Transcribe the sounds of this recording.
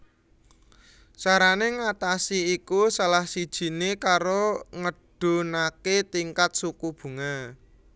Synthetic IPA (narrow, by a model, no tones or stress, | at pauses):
saɾaneŋat̪asiikusalahsid̥ʒ̥i̤nekaɾoŋəɖ̥o̤naket̪iŋkat̪̚sukub̥ṳŋa